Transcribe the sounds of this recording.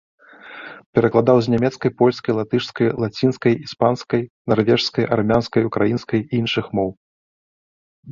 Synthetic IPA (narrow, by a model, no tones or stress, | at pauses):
pʲɛɾɐklˠad̪awzʲnʲamʲɛt̪skɐjpɔlʲskɐjlˠat̪ɨʂskɐjlˠat͡sʲinskɐjispanskɐjnarvʲɛʂskɐjʔarmʲanskɐjukɾajinskɐjiinʂɨxmɔw